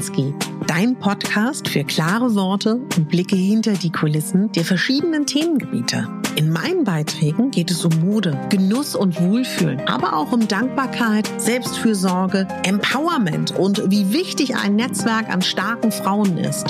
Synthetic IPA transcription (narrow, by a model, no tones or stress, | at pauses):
sɡ̥eːtd̥aɪnəpʰɔtkʰaːstfyːɐkl̥aːʁəvɔɐtəʔʊnt̚b̥lɪkəhɪntɐdiːkʰʊlɪsn̩d̥eːɐfɛɐʃiːdənəntʰeːmənɡəbḭːtʰə̰ʔɪnma̰ɪnənbaɪtʁ̥ɛːɡŋ̩ɡeːtɛsʊmːoːdəɡ̥ənʊsʊntv̥oːlfy̰ːlənʔa̰ːbɐʔa̰ʊxʊmdaŋk̚b̥aːɐkʰaɪtz̥ɛlpstfyːɐzɔɐɡəʔɛmpʰaʊɐmɛ̰ntʊntviːvɪçtɪça̰ɪnːɛt͡sv̥ɛɐka̰nʃtaɐkŋ̩fʁ̥aʊənʔɪ̰st